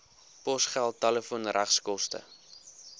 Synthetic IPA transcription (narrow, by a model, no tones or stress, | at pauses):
pɔsχælˠtːaləfuənræχskɔstə̰